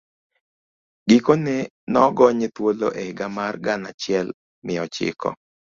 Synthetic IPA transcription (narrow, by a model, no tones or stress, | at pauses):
ɡikonɛ | nɔɡɔɲet̪wolo̰ʔeɪɡamarɡana̰t͡ʃɪɛl | mɪɔt͡ʃɪ̰kɔ̰